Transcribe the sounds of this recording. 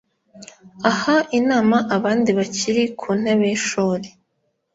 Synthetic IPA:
ahainaːmaʔaβaːndiβaciɾikʰuːn̥eβeʃoːɾe

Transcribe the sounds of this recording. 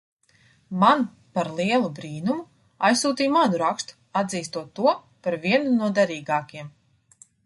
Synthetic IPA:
man | paɾlˠiɛlˠubɾiːnumu | ajsːuːt̪iːjmanuɾakst̪u̥ | ad̪ziːst̪uɔt̪ːuɔ | paɾviɛnunuɔd̪ɛɾiːɡaːkʲiɛm

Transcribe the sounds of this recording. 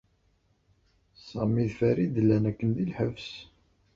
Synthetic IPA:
sɑmiðfæɾid̪əlːænækːənðilħəvs

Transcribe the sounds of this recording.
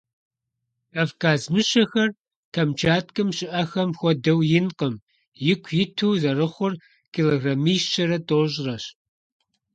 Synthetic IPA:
avkʰaːzmɨɕɐxɐr | kʰɐmt͡ʃʰaːtkʼɨmʃɪʔɐxɐmxʷɔdɐwjɪnqʼəm | jɪkʷʰjɪtʰuːzɐrɨχʷʊr | kʰiloɣramisʃɐɾɐtʼoːʑrɐɕ

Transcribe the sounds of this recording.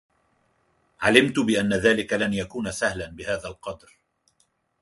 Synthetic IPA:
ʕalɪmt̪ʊbɪʔanːaðaːlɪkalanjakuːnasahlanbɪhaːðalqɑd̪ɾ

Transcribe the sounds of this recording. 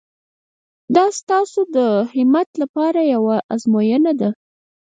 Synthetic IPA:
d̪ɑst̪ɑsod̪əhɪmat̪lapɑɾajawaʔazmojənad̪a

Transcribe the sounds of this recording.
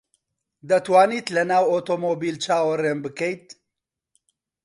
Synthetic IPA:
d̪ɐt̪waːniːt̪lɐnaːwoːt̪omoːbiːlt͡ʃaːwɐreːmbɨkɛjt̪̚

